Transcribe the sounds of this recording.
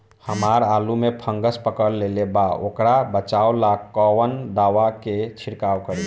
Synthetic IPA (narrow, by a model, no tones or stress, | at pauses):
həmaɾalumepʰəŋɡəspəkəɾlelebao̰kɾabət͡ʃawlakɔwənd̪aʋaket͡ʃʰiɾkawkəɾi